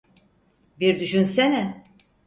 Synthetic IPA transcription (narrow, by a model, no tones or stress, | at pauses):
biɾd̪yʃynsenɛ